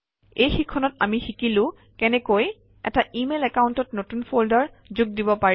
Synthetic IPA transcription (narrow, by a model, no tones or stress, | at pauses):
ejxikʰːɔnɔta̰mixikilʊ̃ | kɛnɛkoj | ɛ̰taimelɛkawntɔtnotunpʰoldaɹ | zuɡ̚dibɔpai